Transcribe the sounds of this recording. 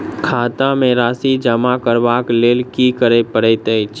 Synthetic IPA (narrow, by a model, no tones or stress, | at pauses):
kʰat̪amẽɾaːsid͡ʒəmakəɾbakleːlkikəɾepəɾɛt̪ət͡ʃ